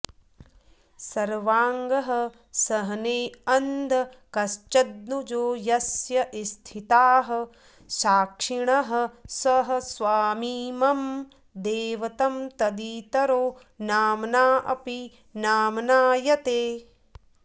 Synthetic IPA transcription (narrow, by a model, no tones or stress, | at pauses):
sɐɾʋaːŋɡɐɦɐ̆ | sɐɦɐneːɐnd̪ʱɐkɐʃt͡ʃɐd̪̚nud͡ʒoːjɐsjɐʔist̪ʰit̪aːɦɐ̆ | ʃaːkʂiɳɐɦɐ̆sɐɦɐ̆sʋaːmiːmɐm | d̪eːʋɐt̪ɐmt̪ɐd̪iːt̪ɐɾoː | naːmnaːʔɐpi | naːmnaːjɐt̪eː